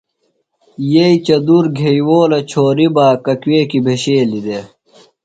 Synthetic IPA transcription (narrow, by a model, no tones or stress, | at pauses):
jeit͡ɕɐd̪uɾɡʱejwoːlɐt͡ɕʰoːɾibaːkɐkweːkibʱeɕeːlid̪e